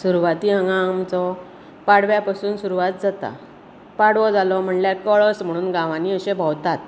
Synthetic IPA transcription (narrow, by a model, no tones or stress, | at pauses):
suɾuʋat̪iːɦə̃ŋɡãmt͡sɔ | paɽʋjapasuːnsuɾuʋat̪̚d͡zat̪a̰ | paɽʋɔd͡zalɔm̤əɳljakɔɭɔsm̤əɽ̃uːnɡãʋaniəɕebʱɔwt̪at̪